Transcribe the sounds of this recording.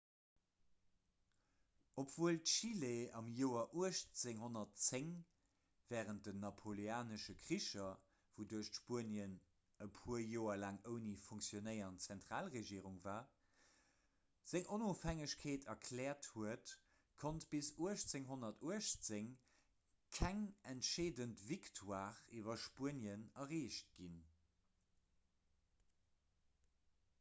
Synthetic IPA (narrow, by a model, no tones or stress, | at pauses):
opv̥uəltʃileɑmjoːɐʔuəʃt͡seŋɦonɐtt͡seŋ | vɛːʁənt̚dənɑpʰoleaːnəʃəkʀiʃɐ | voduɐʃtʃpuəniən | əpʰuəjoːɐlaːŋəʊnifuŋksjonəɪɐnt͡sɛntʁaːlʁeʒiəʁuŋvaː | z̥eŋʔonoːfɛŋəɕkʰeːtʰɐkʰlɛːɐthuət | kʰontb̥isuəʃt͡seŋɦonɐtuəʃt͡seŋ | kʰæŋɛntʃeːdəntviktʰwaːʁivɐʃpuənənɐʁeːʃt̚ɡ̥in